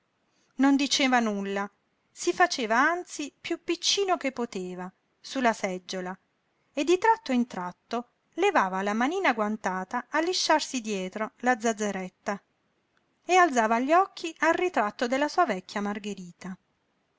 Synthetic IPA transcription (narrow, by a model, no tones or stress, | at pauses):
nond̪it͡ʃeːvanulːa | sifat͡ʃeːvaant̪sipjupːit͡ʃːiːnokepːot̪eːva | sulːasɛd͡ʒːola | ed̪ːit̪ɾat̪ːoint̪ɾat̪ːo | levaːvalamaniːnaɡwant̪aːt̪aːlːiʃːarsid̪jɛːt̪ɾolad̪zːad̪zːeɾɛt̪ːa | ealt̪zaːvaʎːɔkʰːiʔalrit̪ɾat̪ːod̪elːasuːavɛkʰʲːjamarɡeɾiːt̪a